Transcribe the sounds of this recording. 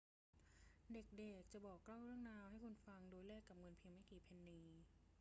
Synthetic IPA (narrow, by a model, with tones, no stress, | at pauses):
de˨˩k̚de˨˩k̚t͡ɕa˨˩bɔː˨˩kːla˥˩wɾɯ˥˩əŋnaː˧wha˥˩jkʰu˧nfa˧ŋdoː˧jlɛː˥˩kːa˨˩p̚ŋɤ˧npʰiː˧ŋma˥˩jkiː˨˩pʰe˧nːiː˧